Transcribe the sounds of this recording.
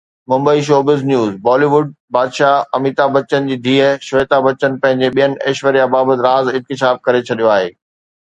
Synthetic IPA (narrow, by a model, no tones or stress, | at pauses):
mʊ̃mbəiʃ̬oːbɪznjuːzbɔːliːʋʊɖ̚baːd̪ʃaɐmiːt̪abɐt͡ɕənɪ̆d͡ʑiːd̪ʱiːɦəʃʋeːt̪abɐt͡ɕənɪ̆pɐ̃ɦɪ̃ɲ̆d͡ʑeɓijənɪ̆ʔɐːʃʋəɾijabaːbət̪ɪɾaːzɪ̃nk̪ɪʃ̬aːb̚kɐɾet͡ɕʰɐɗijoaːɦeː